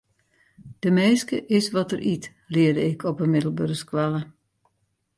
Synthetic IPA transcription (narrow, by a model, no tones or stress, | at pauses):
d̥əmeːskəʔɪsʋɔtərʔit | lɪədəɪkʰɔpəmɪdəl̩ˠbørskʋalˠə